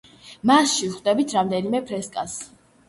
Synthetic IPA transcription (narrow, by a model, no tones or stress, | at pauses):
masʃivχd̪ɛbit̪ʰɾamd̪ɛnimɛpʰɾɛskʼas